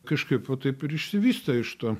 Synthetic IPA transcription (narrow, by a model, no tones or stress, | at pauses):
kɐʃkɐɪpʋɐt̪ɐɪpɪɾɪʃʲsʲɪʋʲiːst̪ɐɪʃt̪oː